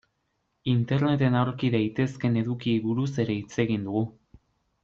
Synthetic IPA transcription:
int̪e̞ɾne̞t̪e̞nawɾkiðajt̪e̞ske̞ne̞ðukiβuɾuse̞ɾe̞it͡se̞ɣind̪uɣu

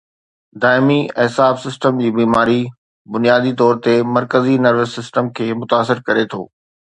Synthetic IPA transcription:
d̪aːɪmiɪɦsaːfsɪsʈəmd͡ʑiːbiːmaːɾi | bʊnijaːd̪it̪ɔːɾt̪emɐɾkəzinɐɾʋɪsːɪsʈəmkʰeːmʊt̪aːs̬ɪɾkɐɾet̪ʰo̰ː

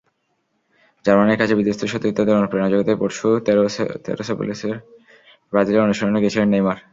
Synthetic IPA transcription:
d͡ʑaɾmanekʰat͡ɕebid̪ost̪ʰoʃot̪ɾit̪ːod̪eɾopɾenad͡ʑoɡit̪epoɾʃut̪t̪ḛɾosapṵliseɾ | bɾad͡ʑileɾonuʃoɾoneɡet͡ɕʰilenːejmaɾ

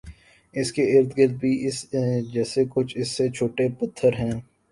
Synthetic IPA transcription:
ɪskeɪɾt̪ɡɪɾd̪̚bʱiːɪsd͡ʒɛːsekʊt͡ʃʰɪsːet͡ʃʰoːʈepɐt̪ʰːəɾɦɛ̃ː

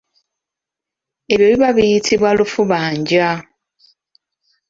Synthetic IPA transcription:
e̞βjoβiβaβijitʰiβwalufuβaːɲɟa

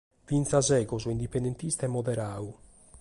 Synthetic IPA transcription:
vint̪sazɛːɡɔzuind̪ipend̪ent̪ist̪ɛmːɔðɛɾaːu

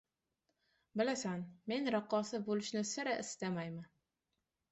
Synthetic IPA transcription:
bɪlasanme̞nɾɑqːɒsɪbolɪʃnɪsɪɾaʔɪst̪amajman

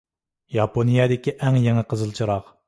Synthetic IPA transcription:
jɑponijɑd̪ɪkʲiʔɛŋjeŋəqʰəzɨlˠt͡ʃʰiɾɑq

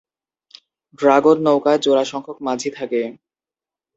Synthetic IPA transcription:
ɖɾaɡoɾnowkaed͡ʑoɾaʃɔŋkʰok̚mad͡ʑʱit̪ʰake

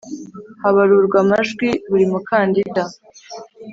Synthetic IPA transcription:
haβaɾuɾɡwamaʒɡwiβuɾimukaːndida

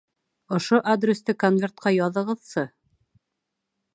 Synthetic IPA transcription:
ŏʃoʔad̪rʲest̪ɘkonvʲert̪̚qɑjɑðɤ̆ʁɤ̆ðsɤ

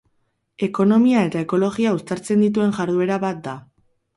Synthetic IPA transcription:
e̞ko̞no̞miae̞t̪ae̞ko̞lo̞ɣiaust̪aɾt͡se̞nd̪it̪̬ue̞ŋʝaɾðue̞ɾaβat̪̚d̪a

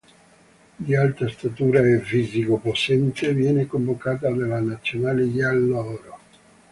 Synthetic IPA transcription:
d̪ialt̪ɾast̪at̪uːɾaefizikoposɛnt̪evjɛːnekoɱvokaːt̪ad̪alːanat̪sːjonaːlejalːɔːɾo

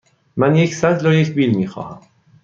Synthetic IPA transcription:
mænjecʰsæt̪lojecʰbiːlmiːxɒ̰ːhæm

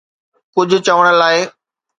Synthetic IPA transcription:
kʊd͡ʑʱʊ̆t͡ɕəʋəɽ̃əlaːɪ

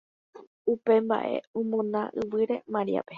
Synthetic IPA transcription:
upe̞mba̰ʔe̞̰õmõnãʔɨʋɨɾe̞mãɾḭa̰pe

